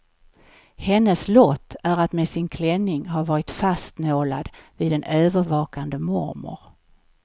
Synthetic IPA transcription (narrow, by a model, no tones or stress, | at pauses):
hɛnːəslɔt̪ʰːæɾat̪meːsɪnkʰlɛnːɪŋɦaɾvɑːɾɪt̪fast̪noːla̰d̪vɪːd̪ɛnøːvəɾvɑːkand̪əmɔ̰ɾmʊ̰ɾ